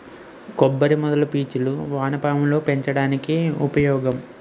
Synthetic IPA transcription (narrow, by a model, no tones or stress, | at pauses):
kɔbːɐɾimɔd̪ɐlupiːt͡ʃuluʋaːnɐpaːmlo̞ːpe̞ɲt͡ʃɐɽaːnikiupɐjɔːɡɐm